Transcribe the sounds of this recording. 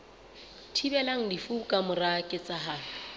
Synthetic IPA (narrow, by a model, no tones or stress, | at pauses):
tʰibɛlaŋ̩difukʼamʊrakʼɪt͡sʼaɦaː